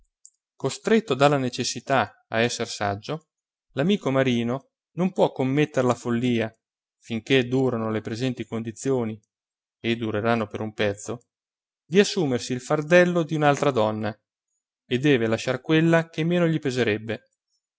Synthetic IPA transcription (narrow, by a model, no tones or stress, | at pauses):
kost̪ɾet̪ːod̪alːanet͡ʃesːit̪a | a̰ɛsːersa̰d͡ʒːo | lamiːkomaɾiːno | nompwɔkːomːet̪ːeɾlafolːiːa | fiŋk̟ed̪uːɾanolepɾezɛnt̪ikond̪it̪sːjoːni | ed̪ːuɾeɾanːopeɾumpɛt̪sːo | d̪iasːuːmersiːlfard̪ɛlːod̪iunalt̪ɾad̪ɔnːa | ed̪ːɛːvelaʃarkwelːakemːeːnoʎipezeɾɛbːe